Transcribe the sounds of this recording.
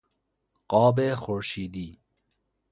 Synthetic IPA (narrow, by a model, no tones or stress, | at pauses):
qɑːbexoɾʃiːd̪iː